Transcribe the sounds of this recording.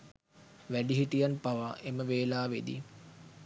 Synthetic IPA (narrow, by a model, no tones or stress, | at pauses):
ʋæɖiɦiʈijanpaʋaʔeməʋeːlaːʋed̪ḭ